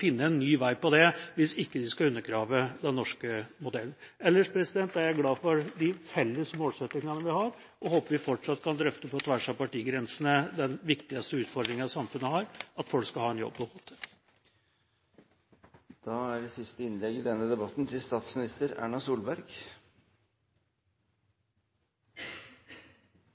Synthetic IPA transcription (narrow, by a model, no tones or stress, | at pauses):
fɪnːəɛnːyːʋæɪpɔd̪ɛʋɪsɪkːəd̪ɪskɑʉnːəɾɡɾɑːʋəd̪ɛnːɔʂkəmʊd̪ɛlːn̩ɛlːəʂpʰɾɛsɪd̪ɛnt̪ːæɾjæɡlɑːfɔɾd̪ɪfɛlːəsmoːlsɛt̪ːɪŋɑnəʋɪhɑɾ | ʔɔhoːpəʋɪfɔʈʂɑt̪ːkʰɑnd̪ɾœft̪əpɔt̪ʰʋæʂɑpɑʈiːɡɾɛnsənəd̪ɛnʋɪkt̪ɪɑst̪əʉːt̪fɔɾd̪ɾɪŋənɑsɑmfʉnːəhɑːɾɑt̪fɔlkskɑlhɑːɛnjɔ̰bːd̪oːɡɔt̪ʰːə̥ | d̪̥ɑæɾɪsɪst̪əɪnlɛɡɪd̪ɛnːəd̪ɛbɑt̪n̩t̪ʰɪlst̪ɑːt̪smɪnɪst̪əɾæ̰ːɳɑsuːlbæɾɡ